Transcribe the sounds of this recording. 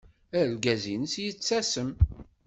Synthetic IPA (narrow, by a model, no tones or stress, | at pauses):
æɾlɡæzinəsjət͡sːæsəm